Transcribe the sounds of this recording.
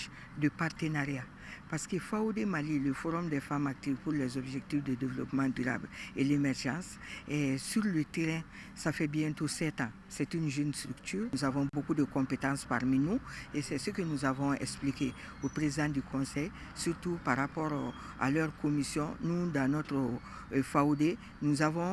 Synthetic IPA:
dəpart̪ənaɾja | paɾsə̥kəfaodemaliləfoɾɔ̃md̪ɛfamak̚t̪ivpuɾlɛzɔbʒɛkt̪ifdədevelɔpmãdyɾa̰blelemɛɾʒɑ̃sɛsyɾlət̪eɾɛ̃ | safɛbjɛ̃t̪osɛt̪ã | sɛt̪ynʒənst̪ɾykt̪yːɾnuzavɔ̃bokudəkɔ̃pet̪ãspa̰ɾminuesɛsəkənuzavɔ̃ɛ̰ksplike | opɾezidãd̪ykʰɔ̃sɛj | syɾt̪upaɾapɔɾ | a̰lœɾkomisjɔ̃nudãnɔt̪ɾ | faode | nuzavɔ̃

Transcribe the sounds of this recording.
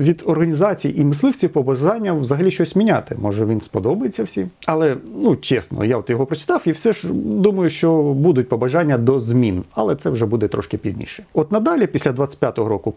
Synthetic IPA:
ʋʲid̪ɔrɦɐnʲizɑt͡sʲijʔimɪslˠɪwt͡sʲiwpɔbɐʒɑnʲːɐʋzɐɦɐlʲiʃt͡ʃɔsʲmʲinʲat̪ɪmɔʒɛʋʲinspɔd̪ɔbɐjet͡sʲːɐwsʲim | ɐlˠɛnut͡ʃɛsnɔ̰jaɔt̪jɔɦɔpɾɔt͡ʃɪ̥t̪ɑwiwsɛʒd̪umɐjʊʃt͡ʃɔbud̪ʊt̚ʲpɔbɐʒɑnʲːɐd̪ɔzmʲinɐ̰lˠɛt̪sɛwʐɛbud̪ɛt̪ɾɔ̰ʃkɪpʲizʲnʲḭʃɛ̥ɔt̪nɐd̪ɑlʲipʲisʲlʲɐd̪ʋɑt̪t͡sʲə̥tʲpʲjat̪ɔɦɔɾɔkʊ

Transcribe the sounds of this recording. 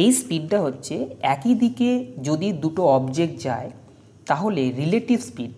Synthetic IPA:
ejspiɖʈaɦotːɕʰeɛkid̪iked͡ʑod̪id̪uʈoɔbd͡ʑek̚ʈd͡ʑae | t̪aɦoleɾileʈibspiɖ̚

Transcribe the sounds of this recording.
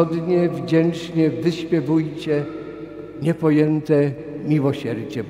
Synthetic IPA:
ɔd̪ɲɛvd͡ʑɛnt͡ʂɲɛvɘɕpʲjɛvujt͡ɕɛ | ɲɛpɔjɛnt̪ɛ | mʲiwɔɕɛɾd͡ʑɛ

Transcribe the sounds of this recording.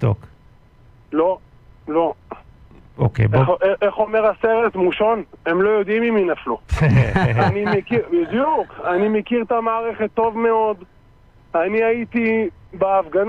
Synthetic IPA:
t̪o̰k | lo̞ | lo̞ | okḛbeeχo̞meʁaseʁet̪muʃone̞mlo̞jo̞d̪imiminaflu | animekibid̪jukanimekiʁt̪amaːʁeχet̪ːo̞vme̞o̞d̪ | aniait̪ibeafɡan

